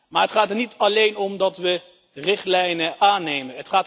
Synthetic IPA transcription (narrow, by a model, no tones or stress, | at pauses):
maːɹɦətχaːtəɹnitʰɑlejnɔmdɑtʋə | rɪχtlɛjnəʔaːnejmənɦətχaːt